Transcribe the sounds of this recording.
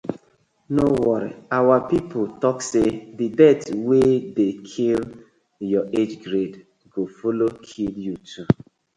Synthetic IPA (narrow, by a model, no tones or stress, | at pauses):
nowɔɾḭawapipotɔksedidɛtwedekʰil | jɔed͡ʒɡɾed | ɡofolokʰiljutʰu